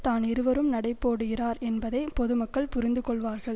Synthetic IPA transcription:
t̪aːnɪɾɯʋɐɾɯmnɐɽɐɪpːoːɽɯɣɪraːɾɛnbɐðɐɪpɔðɯmɐkkːɐɭpʊɾɪnd̪ɯkɔɭʋaːɾɣɐɭ

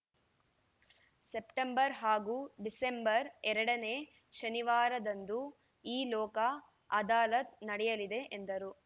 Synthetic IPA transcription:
sepʈembɐɾɦaːɡuːɖisembɐɾɛɾɐɽɐneː | ʃɐniʋaːɾɐd̪ɐnd̪u | iːlɔːkɐ | ɐd̪aːlɐt̪̚nɐɽɛjɐlid̪e̞ʔend̪ɐɾu

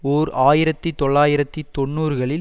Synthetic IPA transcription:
oːɾaːjɪɾɐt̪ːɯt̪ɔɭːaːjɪɾɐt̪ːɯt̪ɔɳːuːɾɣɐɭɪ

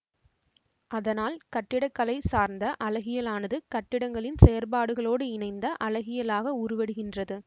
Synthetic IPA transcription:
ʔɐðɐnaːlkɐʈːɪɽɐkːɐlɐɪsaːɾnd̪ɐʔɐlɐɣɪjɐlaːnɐðɯkɐʈːɪɽɐŋɡɐɭɪnsɛjɐɾbaːɽɯɣɐɭoːɽɯɪnɐɪnd̪ɐʔɐlɐɣɪjɐlaːɣɐʊɾʊʋɛɽɯɣɪndrɐðɯ

